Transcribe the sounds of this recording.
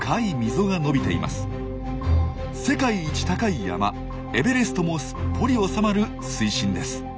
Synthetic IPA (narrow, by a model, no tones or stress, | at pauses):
kʰaimʲizo̞ɡano̞bʲit̪e̞̰ḭmʔa̰sɨ̥ | se̞kaiːt͡ɕi̥t̪akaija̰ma̰ | e̞be̞ɾe̞sɨ̥t̪o̞mo̞sɨ̥pːo̞ɾʲio̞samaɾɯ̟ | sɨiɕĩnd̪e̞sɨ̥